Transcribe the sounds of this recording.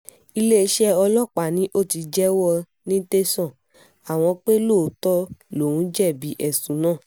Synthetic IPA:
i˧le˦e˧˦ʃɛ˦ɔ˧lɔ˦˨k͡pa˨nĩ˨˦ʔo˦˨ti˧d͡ʒɛ˦wɔ˧ | nĩ˦te˦sɔ̃˦˨ | a˨w̃ɔ̃˧k͡pe˦lo˦˨˦tɔ˦lo˨ũ˨˦d͡ʒɛ˦˨bi˨˦ʔɛ˦˨sũ˨˦nãː˦˨

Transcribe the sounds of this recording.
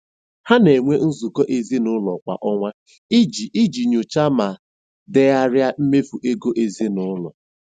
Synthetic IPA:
ha˦ne˨ŋʷe˦n̩˦zu˨kɔ˦ʔe˦ze˦nʊ˦lɔ˨kʷa̰˨ʔɔ˦ŋʷa˦ | i˦d͡ʒi˨i˦d͡ʒi˨ɲʊ˨t͡ʃa˦ma˨ | de˦a˦ɾja˦m̩˦me˦fu˨ʔe˦ɡo˦ʔe˨ze˦nʊ˦lɔ̰˨

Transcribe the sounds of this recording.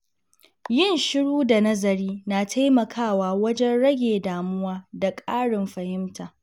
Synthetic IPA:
jɪ˦˨nʃɪ˦ɽuː˦da˨nɐ˦zɐ˨ɾiː˦naː˨tʰa˦jmɐ˨kʰaː˦˨waː˨wɐ˦d͡ʒɛ˦nɽɐ˦ɡʲeː˨daː˨mʊ˦waː˦da˨kʼaː˦ɽɪ˨mɸɐ˨hɪ˦mtʰaː˨

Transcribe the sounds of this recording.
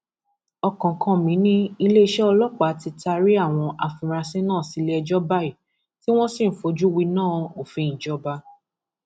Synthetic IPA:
ɔ˧kɔ̃˨kʰɔ̃˧mĩ˨˦nĩ˦i˧le˦i˧ʃɛ˦ɔ˧lɔ˦k͡pa˨˦ti˧ta˧ɾi˦a˦˨w̃ɔ̃˧ʔa˨fũ˧ɾa˧sĩ˦nãː˦˨si˨˦le˦ɛ˧d͡ʒɔ˦ba˦i˦˨ | ti˦w̃ɔ̃˦sĩ˦˨˦fo˨˧d͡ʒu˦wi˧nãː˦˨o˨fi˨ñ̩˨d͡ʒɔ˨˦ba˧˦

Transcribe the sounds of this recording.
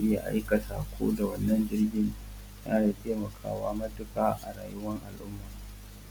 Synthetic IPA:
ʔɪ˦ja̰˨ʔa̰˦jka˨sa̰ː˨kʷʰo̰ː˦da˨wɐ˦nːɐ˦nd͡ʒɪ˦rɡʲɪ˦n | jaː˦da˨tʰeː˦mɐ˨kʰa̰ː˦waː˦mɐ˦dʊ˦kaː˦ʔa̰˨ɽa̰ː˨jʊ˦wɐ˦ŋʔa˨lʔʊ˦mːaː˨

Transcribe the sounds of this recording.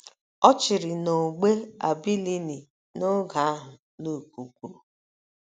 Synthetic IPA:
ɔ˦t͡ʃɪ˨ɾɪ˨no˨ɡ͡be˦a̰˨bi˦li˦ni˨ | no˦ɡa˨a˦ɦʊ˨ | lu˦˨ku˨kʷu˦˨

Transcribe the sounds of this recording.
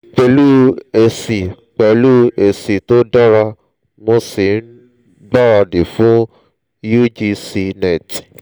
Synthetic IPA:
k͡pɛ˧˦lu˦e˨si˨ | k͡pɛ˨lu˦e˨si˨to˨˦da˦ɾa˧ | mõ˧si˨n̩˦ | ɡ͡ba˦ɾa˧de˨fũ˨˦ | ju˦d͡ʒi˧si˧nɛ˨ti̥˨

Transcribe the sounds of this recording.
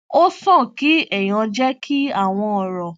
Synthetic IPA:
o˦sɔ̃˦˨ki˨˦ɛ˦˨j̃ɔ̃˧d͡ʒɛ˦kʰi˦a˦˨w̃ɔ̃˧ɔ˨ɾɔ˨

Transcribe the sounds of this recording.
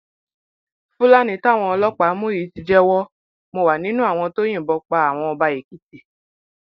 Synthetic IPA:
fũ˦la˦nĩ˧˦ta˦˨w̃ɔ̃˧ɔ˧lɔ˦k͡pa˨˦mũ˦i˨˦ti˧d͡ʒɛ˦wɔ˦ | mo˧˨wa˨nĩ˨˦nũ˦a˦˨w̃ɔ̃˧to˦j̃ĩ˦˨bɔ˧k͡pa˧a˨w̃ɔ̃˧ɔ˧ba˧ji˨ki˦ti˦˨

